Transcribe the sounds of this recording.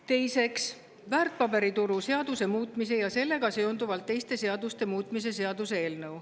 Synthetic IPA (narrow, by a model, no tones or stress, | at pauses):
t̪e̞jse̞ks | væːrt̪̚ˑpɑbe̞ɾit̪uɾuse̞ɑd̪̥use̞muːt̪ːˑmis̬e̞jɑse̞lːe̞ɡ̥ɑse̞ond̪uvɑlt̪ːe̞jst̪e̞se̞ɑd̪̥ust̪e̞muːt̪ːˑmis̬e̞s̬e̞ɑd̪use̞e̞ːlnɤw